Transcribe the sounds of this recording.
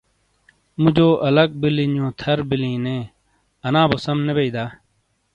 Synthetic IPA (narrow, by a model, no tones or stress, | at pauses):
mud͡ʑoːʔɐlək̚bilinõːt̪ʰɐɾbilĩːnẽː | ɐnãːboːsɐmnebeid̪aː